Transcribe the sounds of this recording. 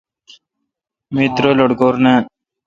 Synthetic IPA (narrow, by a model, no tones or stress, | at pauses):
mit̪ɾoloɽkoːɾne